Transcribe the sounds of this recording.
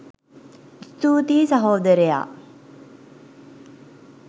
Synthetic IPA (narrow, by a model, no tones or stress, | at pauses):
st̪uːt̪iːsɐɦoːd̪əɾeja̰ː